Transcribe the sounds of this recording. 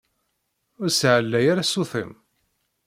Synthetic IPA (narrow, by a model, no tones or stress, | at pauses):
ʊɾsʕəlːæjaɾasuθəm